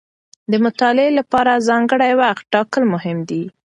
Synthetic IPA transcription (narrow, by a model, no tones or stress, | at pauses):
d̪əmʊt̪ɑlɪelapɑɾazɑŋɡəɽajwaxt̪̚ʈɑkəlmʊhɪmd̪i